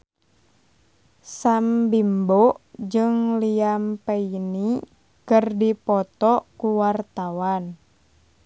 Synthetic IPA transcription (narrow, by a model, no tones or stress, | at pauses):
sambimboʔd͡ʒɨŋliampeini | kɨrdipɔt̪ɔkuwart̪awan